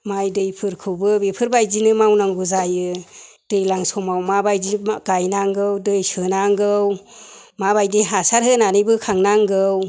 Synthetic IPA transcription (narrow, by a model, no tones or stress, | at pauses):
majdɯjpʰɯɾkʰɯwbɯbipʰɯɾbajzinɯmawnaŋɡuzajɯ | d̥ɯjlaŋsɔmawmabajdiɡ̥ajnaŋɡɯwdɯjsɯnaŋɡɯw | mabajdiɦasaɾɦɯnanɯbɯkʰaŋnaŋɡɯw